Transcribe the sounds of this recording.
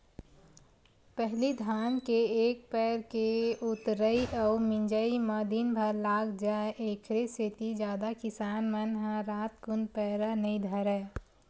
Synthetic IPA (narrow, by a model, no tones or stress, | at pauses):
pɛɦlid̪ʱaːnkeeːk̚pɛːɾkeʊt̪ɾəiʔəʊmɪ̃ɲd͡ʒəiməd̪inbʱəɾlaːɡd͡ʒaʔeːkʰɾeset̪id͡ʒjaːd̪akɪsaːnmənɦə̃ɾaːt̪kʊnpɛːɾənəĩd̪ʱəɾɛː